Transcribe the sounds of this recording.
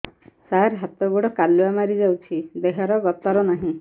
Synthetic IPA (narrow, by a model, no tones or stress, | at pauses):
saɾɦat̪ɔɡuɽɔkaluamaɾid͡ʒawt͡ʃʰid̪eɦɔɾɔɡɔt̪ɔɾɔnaɦĩ